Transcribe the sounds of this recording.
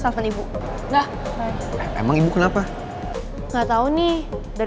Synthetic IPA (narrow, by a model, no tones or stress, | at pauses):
safanibu | ŋah | ḛmaŋibukənapa | ŋaʔt̪auni | daɾ